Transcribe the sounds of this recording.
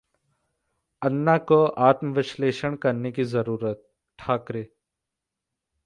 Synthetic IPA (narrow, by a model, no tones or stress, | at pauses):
ənːakoʔaːt̪məʋɪʃleːʃəɽ̃kɐɾnekizɐɾuːɾət̪̚ | ʈʰːaːkɾeː